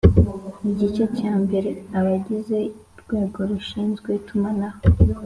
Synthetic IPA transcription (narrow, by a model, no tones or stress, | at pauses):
iɟit͡ʃo̞caːmbe̞ɾe̞aβaɟize̞iɾɡweːɡo̞ɾuʃiːnzɡwetumanaho